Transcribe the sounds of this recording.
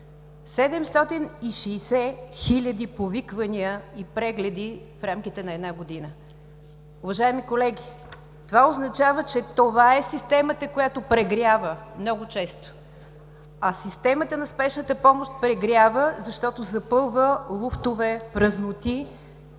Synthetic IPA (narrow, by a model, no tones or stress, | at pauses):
sɛd̪ɛmst̪ɔt̪iniʃɛːsɛxilʲəd̪ipovikvəniəipɾɛɡlɛd̪i | fɾamkit̪ɛnɐɛd̪naɡod̪inə | ʊvɐʒaɛmikolɛɡʲi | t̪ovaoznɐt͡ʃavət͡ʃɛt̪ovaɛsist̪ɛmət̪əkojat̪opɾɛɡɾʲjavəmnɔɡʊt͡ʃɛst̪o̥ | ɐsist̪ɛmət̪ənɐspɛʃnət̪əpɔmoʃt̪̚pɾɛɡɾʲavəzɐʃt̪ɔt̪ozɐpɤlˠvəlˠuft̪ovɛpɾəznʊt̪i